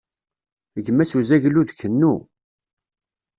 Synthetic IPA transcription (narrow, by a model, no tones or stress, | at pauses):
əʝəmːæsuzæʝluðkːənːu